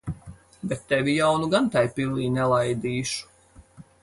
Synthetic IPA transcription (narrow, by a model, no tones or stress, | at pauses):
bɛt̪ːɛvijawnuɡant̪ajpilˠiːnɛlˠajd̪iːʃu̥